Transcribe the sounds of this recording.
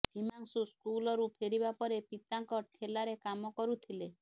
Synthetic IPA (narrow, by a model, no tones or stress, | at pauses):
bimaŋsuskulɔɾupʰeɾibapɔɾepit̪aŋkɔʈʰelaɾekamɔkɔɾut̪ʰile